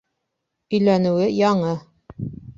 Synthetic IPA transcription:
ɵ̆jlænɘ̆wɘjɑɴɤ

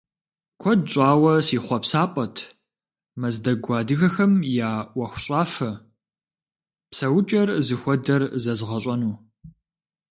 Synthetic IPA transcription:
kʷʰɔdɕʼɑːwɐsiːχʷɔpsaːpʼɐtʰ | mɐzdɐɡʷɑːdɨɣɐxɐmjaːwʷɐxʷʊɕʼaːfɐ | psɐwʊt͡ʃʼɐrzɨxʷɔdɐrzɐzʁɐɕʷʼɐnuː

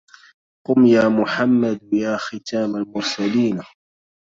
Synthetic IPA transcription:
qʊmjaːmʊħamːad̪jaːxɪt̪ʰaːmalmʊɾˤsaliːn

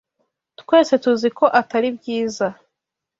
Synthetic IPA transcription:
tkwe̞ːse̞tuziko̞ʔataɾibjiːza

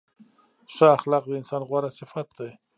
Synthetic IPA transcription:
ʂəaxlɑq̚d̪əɪnsɑːnɣwaɾasɪfat̪̚d̪aj

